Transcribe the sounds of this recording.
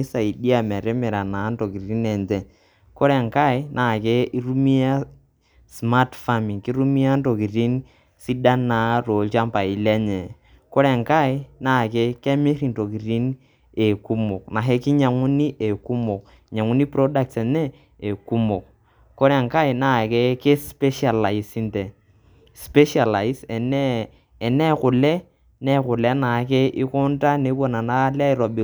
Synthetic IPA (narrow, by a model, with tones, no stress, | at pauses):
i˦sa˨i˨di˦a˨mɛ˨ɾe˦me˨ɾa˨na˨˦n˦to˨ki˨ɾi˦nɛ˨ntɛ˨n | ko˦ɾɛ˨ŋka˦˨i˦nʔa˨ke˦ʔi˦ɾu˦mi˦a˦ | sma˦tfa˦˨mi˨ŋki˦ɾu˦mi˦a˦n˦to˨ki˨ɾi˦n | si˦da˦na˨˦ɾo˨lt͡ʃa˦mpa˨i˨˦lɛ˦ɲɛ˨ | ko˦ɾɛ˨ŋka˦˨i˦na˦˨ke˦kɛ˦me˦ɾi˨n˨to˨ki˨ɾi˦n | e˨ku˦mo˨kna˨ɦe˦ki˦ɲa˨ŋu˦ni˦ʔe˨ku˦mo˨k̚ | ɲa˨ŋu˦ni˦pɾo˦da˦k̚se˨nɛ˦ | e˨ku˦mo˨k̚ | ko˦ɾe˨ŋka˦i˨na˨ke˦ke˦spe˦ʃa˨la˨i˨si˦nte˨ | spe˦ʃa˨la˨i˦sɛ˨nɛː˦˨ | ne˦kʊ˨lɛ˦ | ne˦kʊ˨le˦na˨˦ke˦ʔi˦kʊ˦n˦ta˦ne˨˦bo˦˨na˨na˦la˦i˨ɾɔ˨bi˨˦